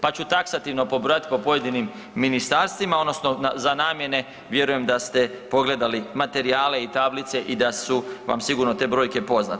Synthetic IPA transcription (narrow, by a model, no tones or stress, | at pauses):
pat͡ɕut̪aksat̪iʋno̞po̞bɾojat̪i̥po̞po̞je̞d̪inimː | inist̪aɾst̪ʋimao̞d̪no̞snozanaːmje̞ne̞ | ʋje̞ɾuje̞md̪ast̪e̞po̞ɡle̞d̪alimat̪e̞ɾiaːle̞it̪ablit̪se̞ʔid̪asuʋa̰msiɡuɾnot̪e̞bɾo̞ːjke̞po̞zna̰t̪